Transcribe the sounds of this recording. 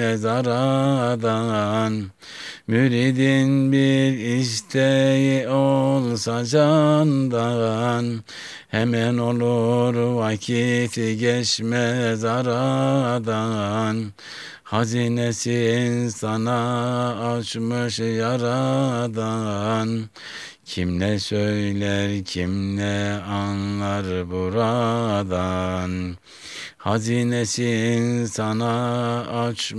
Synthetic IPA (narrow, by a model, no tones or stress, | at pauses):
zɑɾɑɑd̪ɑʁɑn | myɾid̪inbiɾiʃt̪ʰɛjiʔolˠsɑd͡ʒɑnd̪ɑʁɑn | hæmɛnolˠuɾwɑkʰifiɡʲɛʃmɛzɑɾɑɑd̪ɑʁɑn | hɑzinesiːnsɑnɑː | t͡ʃmɯʃjɑɾɑd̪ɑn | cʰimlɛsøjlæɾcʰimlɛɑnlˠɑɾbuɾad̪ɑn | hɑzinesinsɑnɑː | t͡ʃ